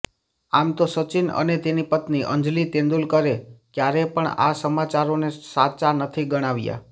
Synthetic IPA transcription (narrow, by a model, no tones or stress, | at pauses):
amt̪osət͡ʃɪnə̰net̪enipət̪niʔə̰ɲd͡ʒlit̪ẽnd̪ulkəɾekjaɾepəɳa̰səmat͡ʃaɾonesat͡ʃanət̪ʰiɡəɽ̃aʋja̰